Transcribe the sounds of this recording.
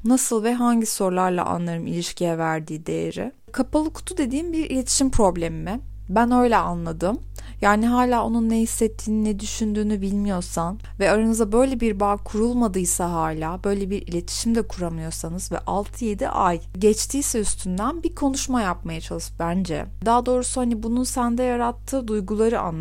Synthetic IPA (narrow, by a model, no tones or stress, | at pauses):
nasɯlˠvɛɦaɲɟiso̞ɾlˠaɾlˠa̰ʔa̰nlˠaɾɯmilʲiʃcʰijɛvæɾd̪iːd̪e̞̰jḛɾɪ̰ | kʰapalˠɯkʰu̥t̪ʰud̪e̞d̪iːmbiɾḭlʲe̞t̪ʰi̥ʃimpʰɾo̞blʲemimɛ | bænø̞jlʲɛanlˠad̪ɯm | jaːniɦaːlʲaːo̞nunːɛhisːɛt̪ʰːiːninɛd̪yʃynd̪yːnybilʲmijo̞ɾsan | vɛaɾanɯzd̪abø̞jlʲɛbiɾbaːkʰuɾulˠmad̪ɯjsaɦaːlʲaːbø̞jlʲɛbiɾilʲe̞t̪ʰi̥ʃimd̪ɛkʰuɾamɯjo̞ɾsanɯz̥vɛ̰ʔalˠt̪ʰɯje̞d̪ḭʔaj | ɟɛt͡ʃt̪ʰiːsɛyst̪ʰynd̪ænbikʰo̞nuʃmajap̚majat͡ʃʰalˠɯʃbænd͡ʒɛ̰d̪aːd̪o̞ːɾusuhanibununsænd̪ɛjaɾat̪ʰːɯːd̪ujɡulˠaɾɯʔa̰nː